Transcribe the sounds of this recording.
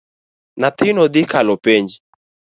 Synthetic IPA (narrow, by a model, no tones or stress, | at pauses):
nat̪ɪnɔd̪ikalɔpɛɲd͡ʒi